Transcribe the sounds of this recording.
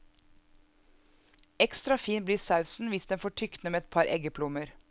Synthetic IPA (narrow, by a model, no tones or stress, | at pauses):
ɛkst̪ɾɑfiːnbliːsɑʉsn̩ʋɪsd̪ɛnfoːʈʰʏkt̪nəmeːɛt̪̚pʰɑɾʔɛ̰ɡəpʰlʊməɾ